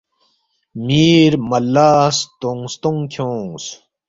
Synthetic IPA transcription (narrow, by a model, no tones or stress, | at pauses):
miːɾmɐlːaːst̪oŋst̪oŋkʰõːs